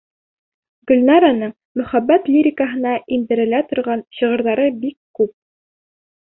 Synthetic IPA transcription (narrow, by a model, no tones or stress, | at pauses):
ɡɵ̆lʲnɑɾanɤɴ | mɵ̆χæbːæt̪lʲiɾʲɪkaɦɤ̆nɑʔimd̪ɘ̆ɾɘ̆læt̪ŏɾʁɑnɕɤ̆ʁɤ̆ɾðɑɾɤbikːʉp̚